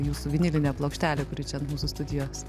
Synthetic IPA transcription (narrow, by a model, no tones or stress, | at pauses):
juːsʊʋʲɪnʲɪlʲɪnʲɛplˠoːkʃʲt̪ʲæːlʲekʊɾʲɪt͡ʃʲɛnmuːsʊst̪ʊd̪ʲɪjoːs